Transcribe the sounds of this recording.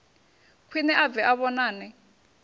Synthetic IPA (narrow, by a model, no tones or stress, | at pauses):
kʰwinɛʔavɛʔaβɔnaːnɛ